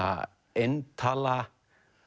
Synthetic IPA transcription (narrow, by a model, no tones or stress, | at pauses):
a̰ | ent̪ʰala